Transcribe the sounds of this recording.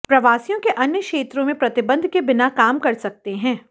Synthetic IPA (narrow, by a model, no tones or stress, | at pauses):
pɾɐʋaːsijõkeʔɐnjəkʃeːt̪ɾõmẽpɾɐt̪ɪbə̃nd̪ʱkebɪnakaːmkɐɾsɐk̚t̪eɦɛ̃ː